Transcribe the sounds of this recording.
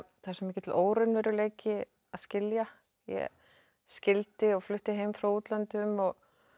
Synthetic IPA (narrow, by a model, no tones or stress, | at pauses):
θasɛmɛːcɪt̪ʰɪlʔoːwɾʏnvɛɾʏleːjcɪ | aðscɪlja | jɛ̰ | scɪlt̪ɪɔɣflʏht̪ɪɦeːjmfɾawuːt̪lant̪ʏmɔɣ